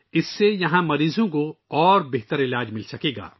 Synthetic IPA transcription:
ɪsːejɐɦãmɐɾiːzõkoɔːɾbeɦt̪əɾɪlaːd͡ʒmɪlsɐkeːɡa̰ː

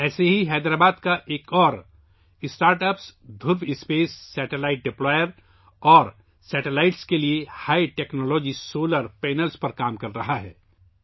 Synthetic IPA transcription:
ɛːseɦiɦɛːd̪ɾaːbaːd̪kaʔeːkɔːɾ | ɪsʈaːɾʈəpsd̪ʱʊɾbɪspeːsːɛːʈelaːɪʈ̚ɖɪplɔːjəɾ | ɔːɾ | sɛːʈelaːɪʈskeliehaːiʈeːknɔːlɔːd͡ʒisoːləɾpɛːnəlspɐɾkaːmkɐɾːɐɦaɦɛ̰ː

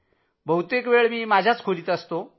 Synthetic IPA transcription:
bʱəwt̪ekʋeɭmiːmad͡ʑʱjat͡skʰolit̪əst̪o

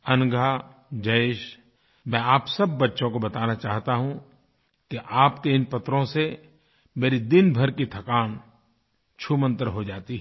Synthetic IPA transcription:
ɐnɡʱa | d͡ʒɐɪʃ | mɛ̃aːpsɐbːɐtːʃõkobɐt̪aːnat͡ʃaːɦt̪aɦũ | keʔaːpkeɪnpɐt̪ɾõse | meːɾid̪ɪnbʱɐɾkit̪ʰɐkaːn | t͡ʃʰumə̃nt̪əɾɦod͡ʒaːt̪iɦ

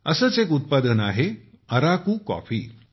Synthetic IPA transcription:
əsəːt͡sekut̪̚pad̪ənaɦe | əɾakuːkɔ̰fiː

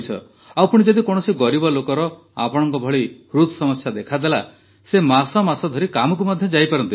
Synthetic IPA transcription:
t͡ʃʰɔ̰ | awpuɽ̃id͡ʒɔd̪ikɔɽ̃ɔsiɡɔɾibɔlokɔɾɔ | a̰pɔɽ̃ɔŋkɔbʱɔɭi | ɾut̪ʰɔsɔmɔsjad̪ekʰad̪ela | semasɔmasɔd̪ʱɔɾikamɔk̬umɔd̪ʱjɔd͡ʒajpaɾɔnt̪i

